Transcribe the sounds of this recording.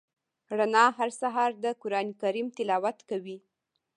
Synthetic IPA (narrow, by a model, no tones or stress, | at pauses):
ɽanɑɦaɾsaɦɑɾd̪əkʊɾɑnikaɾimt̪ɪlɑwat̪kawi